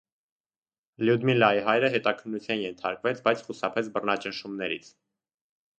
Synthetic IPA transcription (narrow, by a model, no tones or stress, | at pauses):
ljud̪milɑiɦɑjɾəɦɛt̪ɑkʰənːut͡sʰjɑnjɛnt̪ʰɑ̰ɾkvɛt͡sʰbɑjt͡sʰχusɑpʰɛt͡sʰbərnɑt͡ʃənʃumnɛɾit͡sʰ